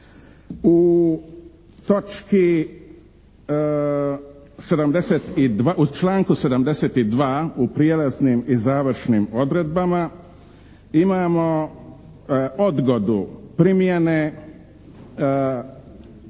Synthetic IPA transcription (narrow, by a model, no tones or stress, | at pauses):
u | t̪o̞t͡ʃki | se̞d̪amd̪eset̪id̪ʋaʔut͡ʃlaːŋkuse̞d̪amd̪eset̪id̪ʋaːupɾijelaznimizaːʋɾ̩ʃnimo̞d̪ɾed̪̚bama | imaːmo̞ | od̪ɡo̞d̪upɾimjene